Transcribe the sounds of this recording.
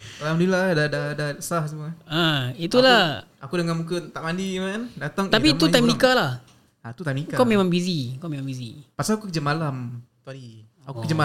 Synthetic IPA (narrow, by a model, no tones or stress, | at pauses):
alamdiladadadasahs̬əmuaait̪ula | akudəŋanmukət̪aʔmandimandat̪aŋap̬it̪ut̪ajmnikalah | at̪ut̪ajmnikakaʔmẽmãŋbizikɔʔmemãŋbizḭpasakukəd͡ʒəmalamt̪ | akukəd͡ʒəma